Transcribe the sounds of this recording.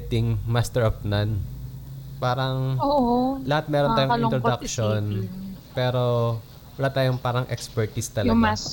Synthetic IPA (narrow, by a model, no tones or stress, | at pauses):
t̪ɪŋmast̪ɛɹʔɐp̚nɐn | paːɾɐŋoʔlɐhat̪̚mɛːɾont̪aːjoŋɪt̪ɾod̪ɐkʃonpɛːɾo | wɐlat̪aːjoŋpaːɾɐŋʔɛkspɛɹt̪ist̪ɐlɐ